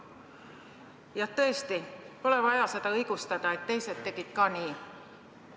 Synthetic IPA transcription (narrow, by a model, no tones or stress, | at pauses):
jɑt̪ɤ̞est̪ipo̞le̞vɑjɑset̪ɑɤjɡ̥ust̪ɑd̪̥ɑe̞t̪ːe̞jset̪ːe̞ɡ̥it̪kɑːniː